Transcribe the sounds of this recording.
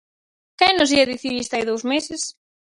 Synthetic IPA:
kɛnʊziɐðiθiβist̪ajðowzmesɪs

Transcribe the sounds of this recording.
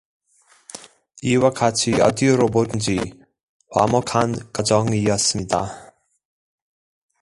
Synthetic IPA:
iːwakʰat͡sʰiɔ̰d̪iɔɾɔbot̪nd͡ʑi | χwa̰mɔkʰankʼad͡zɔŋijasmit̪ʼa̰

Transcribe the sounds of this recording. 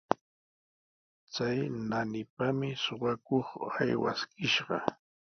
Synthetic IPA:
t͡sajnanɪpamɪsoɢɑkoχajwa̰skɪʃɢɑ

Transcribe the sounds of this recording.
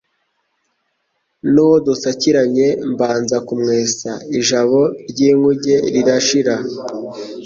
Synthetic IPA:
nuwodusaciɾaɲe̞mbaːnzakumŋeːsaiʒaβo̞ɾɟiːŋuɟe̞ɾiɾaʃiɾa

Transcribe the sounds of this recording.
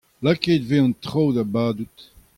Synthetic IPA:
lakeːdveɑ̃nt̪ʁowdabaːdut̪

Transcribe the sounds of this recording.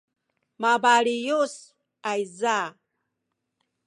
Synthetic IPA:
mabaɺijus | ajza

